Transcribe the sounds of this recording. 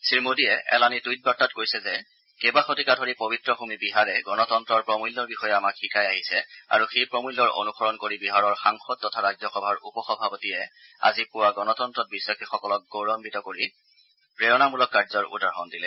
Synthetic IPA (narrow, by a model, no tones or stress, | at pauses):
siɹmodijɛʔɛ̰lanitujt̚bɹɔtatkoɹjsɛzɛ | kebaxotikadʱɔɹipobitɹɔxumibiɦaɹɛɡɔnɔtɔntɹɔɹpɹɔmulːɔɹbixɔjɛamakxikʰajaɦisɛa̰ɹuxejpɹɔmulːɔɹo̰nuxɔɹɔnkoɹibiɦaɹɔɹxaŋxɔd̚tːɔtʰaɹazjɔxɔbʱaɹupɔxɔbʱapɔtijɛ | a̰zipʊwaɡɔnɔtɔntɹɔt̚biswakʰixɔkɔlɔk̚ɡoɹɔmbitɔkoɹi | pɹeɹɔnamulɔkːaɹzɔɹṵdaɹɦɔndilɛ